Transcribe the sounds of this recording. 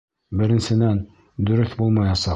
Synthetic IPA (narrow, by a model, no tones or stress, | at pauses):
bɘ̆ɾɘ̆nsɘ̆næn | d̪ɵ̆ɾɵθbulˠmɑjɑsɑ